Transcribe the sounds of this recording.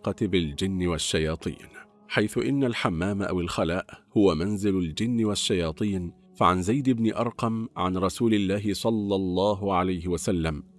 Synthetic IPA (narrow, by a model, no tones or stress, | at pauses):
qɑt̪bɪld͡ʒɪnːɪwaʃːajɑːt̪ˤḭːn | ħajθʊʔɪnːalħamːaːmʔa̰wɪlxalaːʔhʊwamanzɪlʊld͡ʒɪnːɪwaʃːajɑːt̪ˤiːn | faʕanzajd̪ɪbnɪʔɑɾˤqɑmʕanɾˤɑsuːlɪlːaːɦɪsˤɑlːɑlˤːɑːɦʊʕalajhɪwasalːam